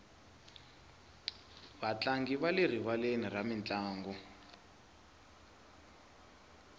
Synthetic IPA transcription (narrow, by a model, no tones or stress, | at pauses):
βat͡ɬaŋɡiβaler̤iβaleniramint͡ɬʼaːŋɡɔ